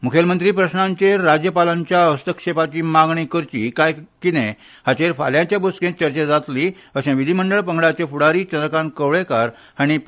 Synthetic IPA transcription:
mukʰjəlmənt̪ɾiːpɾəɕɳãɲt͡ɕeɾad͡ʑjəpalaɲt͡ɕjaəst̪əkʂepat͡ɕiːmaɡɳikəɾt͡ɕḭːkajkinẽ | hat͡ɕeɾfa̰ljãɲt͡ɕjaboskẽt͡ɕəɾt͡ɕad͡zat̪li | əɕẽʋid̪ʱiməɳɖəɭpəŋɡɽat͡ɕepuɽaɾiːt͡ɕənɾəkãnkəʋɭekaɾ | aɽ̃i

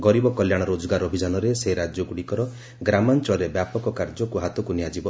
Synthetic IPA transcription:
ɡɔɾibɔkɔljaɽ̃ɔɾod͡ʒɔɡaɾɔbʱid͡ʒanɔɾeseɾad͡ʒjɔɡuɽikɔɾɔ | ɡɾamant͡ʃɔɾebjapɔkɔkaɾd͡ʒɔkuɦat̪ɔkuniad͡ʒibɔ

